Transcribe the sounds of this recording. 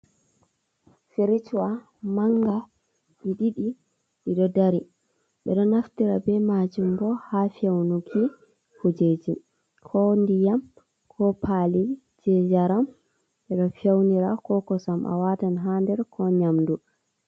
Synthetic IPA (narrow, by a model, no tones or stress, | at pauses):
feɾit͡ʃuwa | maŋɡa | ɗiɗiɗi | ɗiɗɔdaɾi | ɓɛ̰ɗɔnaftiɾabɛmad͡ʒumbɔhafawnuɡi | hud͡ʒed͡ʒi | kʰɔndijam | kʰɔpʰali | d͡ʒɛd͡ʒaɾam | ɓɛɗɔfawniɾakɔkɔsamʔa̰watanɦandɛɾkʰɔɲamdu